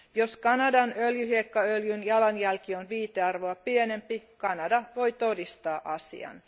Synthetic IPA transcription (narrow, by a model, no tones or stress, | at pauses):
joskɑnɑdɑnøljyhiekːɑøljynjɑlɑnjælkionʋiːt̪eɑrʋoɑpiene̞mpikɑnɑdɑʋo̞jt̪odist̪ɑːʔɑsḭɑ̰n